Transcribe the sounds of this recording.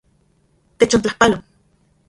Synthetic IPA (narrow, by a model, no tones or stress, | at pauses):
t̪et͡ʃont͡ɬahpalon